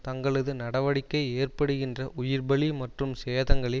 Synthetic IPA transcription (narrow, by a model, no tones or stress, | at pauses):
t̪ɐŋɡɐɭɯðɯnɐɽɐʋɐɽɪkːɐɪeːrpɐɽɯɣɪndrɐʔʊjɪɾbɐɭimɐʈrɯmseːðɐŋɡɐɭɪ